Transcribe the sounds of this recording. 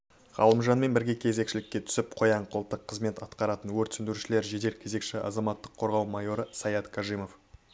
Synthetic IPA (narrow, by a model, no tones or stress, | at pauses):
ʁ̥ɑ̰lˠəmʒɑnme̞nbɪɾɡʲe̞kʲʰe̞ze̞kʃɪlɪkʲːe̞t̪ʰʏ̥sɪp̚qʰo̞jɑɴqʰʊlˠt̪ːəqʰːəzme̞t̪ɑt̪qɑɾɑt̪ənwɵɾt̪sʏnd̪ɪɾʃɪle̞ɾʒed̪e̞ɾkʲʰe̞ze̞kʃɪʔɑ̰zɑmɑt̪ːəqʰːo̞ɾʁɑwmɑjo̞ɾəsɑjɑt̪kʰɑʒijmo̞f